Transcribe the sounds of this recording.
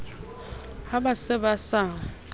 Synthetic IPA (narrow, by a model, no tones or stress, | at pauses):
habasɪbasaːŋ̩